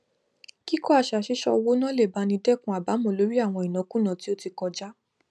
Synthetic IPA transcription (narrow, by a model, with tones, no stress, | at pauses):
ki˦kɔ˦a˨ʃa˨ʃi˨˦ʃɔ̰˧wo˦nã˦le˦˨ba˨˧˦nĩ˧dɛ˦˨kũ˧a˨ba˨˦mɔ̃˨lo˨˦ɾi˦a˦˨w̃ɔ̃˧i˨nɔ̃˨˦kũ˦nã˨ti˦o˦ti˧kɔ̃˧d͡ʒa˦